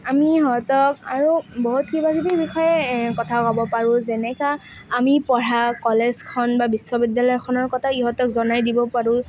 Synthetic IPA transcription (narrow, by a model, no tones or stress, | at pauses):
amiɦɔtɔkaɹubɔɦutkibakibibixɔjɛkɔtʰakɔbɔpaɹʊ̃zɛnɛkaː | mipɔɹakɔlezkʰɔnbabisːɔbidːalɔjɔkʰɔnɔɹkɔtʰaiɦɔtɔkzɔnajdibɔpaɹʊ̃